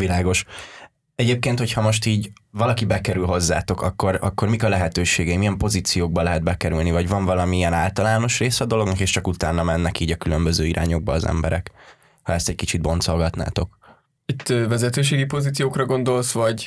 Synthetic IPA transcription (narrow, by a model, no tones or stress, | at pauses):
vilaːɡo̞ʃ | ɛɟeːp̚keːnt̪ho̞chɒmo̞ʃt̪iːɟvɒlɒkibɛkɛɾylɦo̞zːa̰ːt̪o̞kɒkːo̞ɾɒ̰kːo̞rmikɒlɛɦɛt̪øːʃeːɡɛjmijɛmpo̞ziːt̪sijoːɡ̚bɒlɛɦɛd̪bɛkɛɾylnivɒɟvɒɱvɒlɒmiijɛnaːlt̪ɒlaːno̞ʃreːsɛːd̪o̞lo̞ɡnɒkeːʃt͡ʃɒkut̪aːnːɒmɛnːɛkiːɟɒkylø̞mbøzøːiɾʔa̰ːɲo̞ɡ̚bɒːzɛ̰mbɛɾɛ̰k | hɒɛst̪ɛckit͡ʃid̪̚bo̞nt̪so̞lɡɒt̪na̰ːt̪o̞k | it̪ːvɛzɛt̪øːʃ̬eːɡipo̞ziːt̪sijoːkrɒɡo̞nd̪o̞lsvɒɟ